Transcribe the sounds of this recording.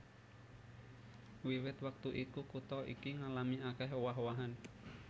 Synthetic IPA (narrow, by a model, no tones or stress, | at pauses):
wiwɪt̪wak̚t̪uʔikukut̪ɔʔḭkiŋalamiakɛɦwaɦwaɦan